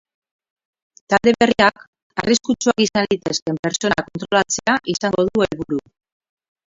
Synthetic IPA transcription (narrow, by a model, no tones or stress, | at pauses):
t̪ald̪e̞βe̞riak | ariskut͡ʃuakisanit̪e̞ske̞mpe̞ɾt͡so̞nako̞nt̪ɾo̞lat͡se̞aʔisaŋɡo̞ðue̞lβuɾu